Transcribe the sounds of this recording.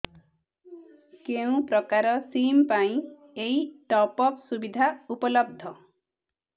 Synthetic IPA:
keũpɾɔkaɾɔsimpaĩ | eiʈɔpɔksubid̪ʱaupɔlɔb̚d̪ʱɔ

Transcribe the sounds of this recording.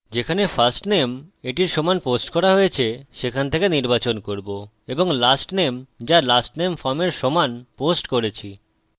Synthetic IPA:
d͡ʑekʰanefasʈnemeʈiɾʃɔmanposʈkɔɾaɦojet͡ɕʰeʃekʰant̪ʰekeniɾbat͡ɕonkoɾbo | eboŋlasʈnemd͡ʑalasʈnemfɔɾmeɾʃɔmanposʈkoɾet͡ɕʰi

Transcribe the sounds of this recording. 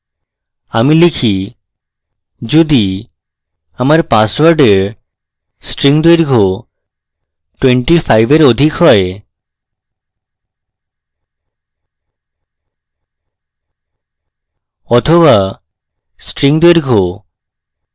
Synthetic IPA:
amilikʰi | d͡ʑod̪i | amaɾpaswaɾɖeɾ | sʈɾiŋd̪weɾɡʱo | ʈweɳʈifajbeɾod̪ʱikɦɔe | ɔt̪ʰoβa | sʈɾiŋd̪oeɾɡʱo

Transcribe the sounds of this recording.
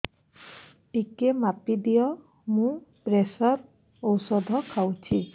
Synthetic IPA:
ʈikemapid̪ijɔ | mũpɾesɔɾ | owsɔd̪ʱɔkʰawt͡ʃʰi

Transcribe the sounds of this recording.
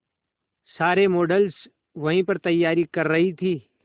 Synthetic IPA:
saːɾemoːɖəls | ʋɐɦĩpɐɾt̪ɐjːaːɾikɐɾːɐɦit̪ʰiː

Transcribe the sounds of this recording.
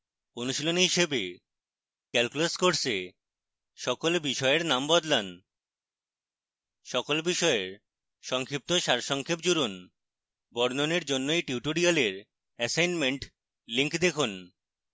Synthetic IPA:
onuʃilonɦiʃebe | kɛlkulaskoɾse | ʃɔkolbiʃɔeɾnambɔd̪lan | ʃɔkolbiʃɔeɾ | ʃɔŋkʰɾip̚t̪oʃaɾʃɔŋkʰep̚d͡ʑuɾon | bɔɾnoneɾd͡ʑonːoejʈiuʈoɾialeɾ | ɛsajnmeɳʈ | liŋkd̪ekʰun

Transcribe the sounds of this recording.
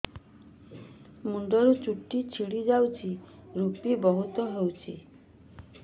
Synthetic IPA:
muɳɖɔɾut͡ʃuʈːit͡ʃʰiɽid͡ʒawt͡ʃʰiɾupibɔɦut̪ɔɦewt͡ʃʰi

